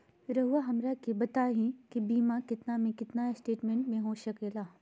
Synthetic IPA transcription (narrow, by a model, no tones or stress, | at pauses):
ɾɐɦuʋaɦɐmɾakebɐt̪aːɦĩkibiːmakɪt̪namẽkɪt̪nasʈeːʈmẽɳʈmẽɦoʃɐkeːlaː